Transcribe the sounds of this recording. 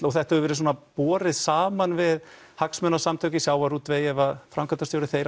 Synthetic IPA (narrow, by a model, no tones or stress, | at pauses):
ɔɣθɛht̪hɛvʏvɛːɾɪs̬ɔːnapɔːɾɪðsaːmanvɪð | haksmœnasamt̪ʰœːɥcɪsjaːwvaɾuːt̪ːveːjɛvafɾamkʰant̪ast̪jowɾɪθeːjɾ